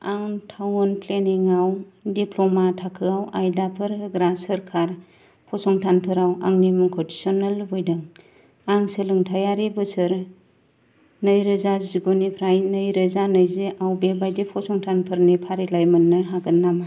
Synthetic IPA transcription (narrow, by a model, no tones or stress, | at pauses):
awntʰawnpʰleniŋawdipʰlɔmatʰakʰɯawajdapʰɯɾɡɾasəɾkʰaɾ | pʰɔsɔŋtʰanpʰɯɾawa̰ŋnimɯŋkʰɔdisɔnalbujdɯŋ | aŋsɯlɯŋtʰajaɾibɯsɯɾ | nɯjɾɯzaziɡɔnipʰɾajnɯjɾɯzanɯjzeʔawbebajdipʰɔsɔŋtʰanpʰɯɾnipʰaɾilajmɯnːɯɦaɡɯnːama